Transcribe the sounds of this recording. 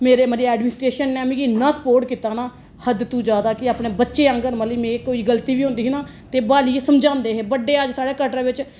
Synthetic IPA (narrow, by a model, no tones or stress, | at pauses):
meːɾeːməliɛːɖmɪːnɪsʈɾeːʃənːẽːmĩːkɪnːãːsə̥poːɾʈkiːt̪aːnaː | həd̪t̪ũːd͡ʒaːd̪aːkɪaːpɳeːbətːʃeːə̃ŋɡəɾməliːmẽːkoːiːɡəlt̪iːʋiːõːnd̪iːɦnaː | t̪eːbaːliːesəmd͡ʒãːnd̪eːɦeːbəɖːeːəd͡ʒsaːɽeːkəʈɾːʋɪt͡ʃ